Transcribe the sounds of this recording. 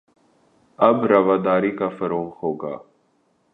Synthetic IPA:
ɐbɾɐʋaːd̪aːɾikafəɾoːŋɦoːɡa̰ː

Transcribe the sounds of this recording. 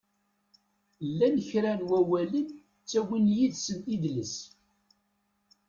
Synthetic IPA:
lːænəçɾænwæwælən | t͡sːæwinjid̪sənt̪id̪ləs

